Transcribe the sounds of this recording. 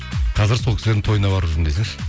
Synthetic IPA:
qʰɑzɪɾsokʰʲɪszed̪ɪŋt̪ʰo̞jənɑbɑɾəʒɾɪnd̪ejse

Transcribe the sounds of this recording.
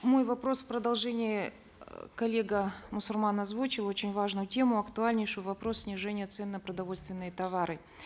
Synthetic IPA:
mo̞jvɐpɾo̞sfpɾəd̪ɐlˠʐɛnʲɪɪ | kɐlʲːe̞ɡəmʊsʊlʲmanɐzvut͡ɕɪlˠo̞t͡ɕɪnʲvaʐnʊjʊtʲe̞mʊɐkt̪ʊalʲnʲɪjʂʊjʊvɐpɾo̞ssʲnʲɪʐɛnʲɪjət̪sɛnːəpɾəd̪ɐvo̞lʲst̪vʲɪnːɨjət̪ɐvaɾɨ

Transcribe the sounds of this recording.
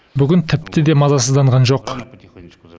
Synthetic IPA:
bʏɡʲɪnt̪ʰɪp̚t̪ɪd̪e̞mɑzɑsəzd̪ɑɴʁɑnʒo̞q

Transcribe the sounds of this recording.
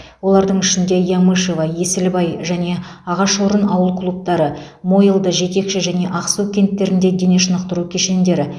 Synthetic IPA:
wo̞lˠɑɾd̪əɴʏʃɪnd̪e̞jɑmuʃe̞vɑje̞sɪlbɑjʒæne̞ɑʁɑʃoɾənɑwəlˠkʰlˠup̚t̪ɑɾə | mo̞jəlˠd̪əʒe̞t̪ʲe̞kʃɪʒæne̞ʔɑqsukʲʰe̞nt̪ːe̞ɾɪnd̪e̞d̪e̞ne̞ʃənəqt̪əɾukʲʰe̞ʃe̞nd̪e̞ɾɪ

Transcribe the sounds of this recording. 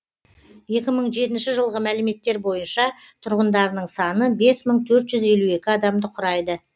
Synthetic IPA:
je̞kʲɪməɴʒe̞t̪ɪnʃɪʒəlˠʁəmælɪme̞t̪ːe̞ɾbo̞jənʃɑ | t̪ʰʊɾʁənd̪ɑɾənəɴsɑnəbe̞sməɴt̪ʰɵɾt̪ʒ̥ʏze̞lue̞kʲɪɑd̪ɑmd̪əqʰʊɾɑjd̪ə

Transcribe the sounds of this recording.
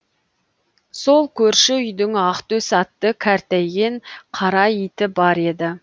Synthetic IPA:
so̞lˠkʲʰɵɾʃɪʏjd̪ɪŋɑqt̪ɵsɑt̪ːəkʲʰæɾt̪æjɡʲe̞ɴqʰɑɾɑjit̪ɪbɑɾe̞d̪ɪ

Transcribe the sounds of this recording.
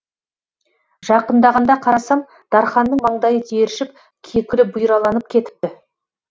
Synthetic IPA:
ʒɑqənd̪ɑʁɑnd̪ɑqʰɑɾɑsɑm | d̪̥ɑɾχɑnːəɴmɑɴd̪ɑjət̪ʰeɾɪʃɪp̚ | kʲʰe̞kʲɪɾɪbʊjɾɑlˠɑnəp̚kʲʰe̞t̪ɪ̥p̚t̪ɪ

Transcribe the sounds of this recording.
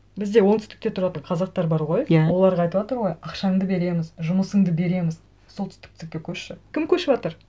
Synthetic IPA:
bɪzd̪e̞wo̞ŋt̪ʰʏst̪ɪ̥kt̪e̞t̪ʰʊɾɑt̪əɴqʰɑzɑq̚t̪ɑɾbɑɾʁo̞jjawo̞lˠɑɾʁɑjt̪əpwɑt̪əɾʁo̞jɑqʃɑɴd̪əbe̞ɾe̞mɪzʒʊməsəɴd̪əbe̞ɾe̞mɪz | so̞lt̪ʏ̥st̪ɪ̥kt̪ʰɪk̚ʲekʲʰɵɾʃɪkʲʰɪmkʲʰɵʃɪpɑt̪əɾ

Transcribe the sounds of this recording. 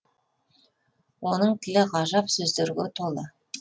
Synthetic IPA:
wo̞nəɴt̪ʲʰɪlɪʁɑʒɑpsɵzd̪eɾɡʲɪt̪ʰolˠə

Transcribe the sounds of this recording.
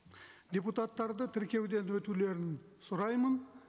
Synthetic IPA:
d̪ʲeput̪ɑt̪ːɑɾd̪ət̪ʰɪɾkʲe̞wd̪e̞nwɵt̪ule̞ɾɪn | sʊɾɑjmən

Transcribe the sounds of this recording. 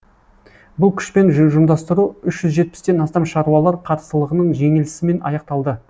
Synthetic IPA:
bʊlˠkʲʰʏ̥ʃpe̞nʒʒʊmd̪ɑst̪əɾuʏʃʒ̥ʏzʒe̞t̪̚pɪ̥st̪e̞nɑst̪ɑmʃɑɾuɑlˠɑɾqʰɑt̪ə̥st̪əlˠəʁənəɴʒe̞ŋelɪsɪme̞nɑ̰jɑq̚t̪ɑlˠd̪ə

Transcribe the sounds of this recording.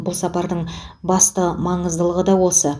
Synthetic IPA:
bʊlˠsɑpɑɾd̪əɴbɑst̪əmɑɴəzd̪əlˠəʁəd̪ɑwo̞sə

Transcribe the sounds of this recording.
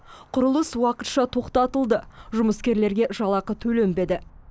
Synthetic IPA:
qʰʊɾəlˠəswɑqət̪ʃɑt̪ʰo̞qt̪ɑt̪əlˠd̪əʒʊməskʲe̞ɾle̞ɾɡʲe̞ʒɑlˠɑqət̪ʰɵle̞mbe̞d̪ɪ

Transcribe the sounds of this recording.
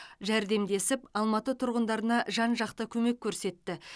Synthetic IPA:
ʒæɾd̪e̞md̪e̞sɪpɑlˠmɑt̪ət̪ʰʊɾʁənd̪ɑɾənɑʒɑnʒɑqt̪əkʲʰɵme̞kʲʰːɵɾse̞t̪ːɪ

